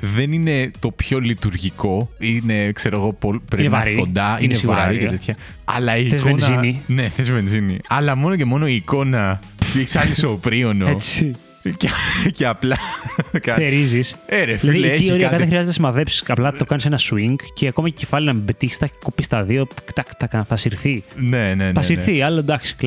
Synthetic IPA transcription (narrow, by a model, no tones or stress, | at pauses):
ðe̞nine̞t̪o̞pço̞lit̪uɾʝiko̞ine̞kse̞ɾo̞ɣo̞popɾenevɐɾiko̞nd̪ɐinesiɣvɐɾɾɾiket̪et̪ʰçɐ | ɐ̰lɐiezennzinine̞θezvenziniɐlɐmo̞noce̞mo̞no̞iːko̞nɐ | t̪ueçi̥sɐlisoːpɾio̞noet͡s | ceceɐplɐkɐθeɾiziseɾefilɐɐðieiioɾiɐɐððexɾiɐzet̪esimɐðepsi̥sɐplɐt̪o̞kɐnisenɐsuiŋɡceɐko̞mɐcecefɐlinɐmebet̪içi̥st̪ɐkopist̪ɐðio̞kt̪ɐkt̪ɐkɐnθɐsiɾθinenenθɐsiɾθiɐlod̪ɐksi̥